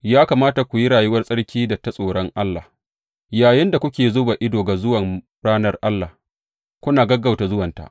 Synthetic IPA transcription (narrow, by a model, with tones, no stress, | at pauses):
jaː˦kaː˨maː˦ta˨kʷu˨ji˦ɽaː˨jʊ˦wɐ˦rsʼɐ˦ɽkʲiː˦dɐ˨tːa˦sʼoː˨ɽɔ˦ŋʔa˦lːaː˨ | jaː˨jɪ˦nda˨kʷʊ˦kʲeː˨zoː˦ba˨ʔɪ˦doː˨ɡa˨zʊ˦wɐ˨m | ɽaː˦nɐ˦rʔa˦lːaː˨h | kʷʊ˦naː˨ɡɐ˦ɡa˨wta˨zʊ˦wɐ˨nta̰˨ʔ